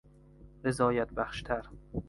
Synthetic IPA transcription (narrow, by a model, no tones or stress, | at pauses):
vezɒːjæt̪̚bæχʃt̪ʰæɾ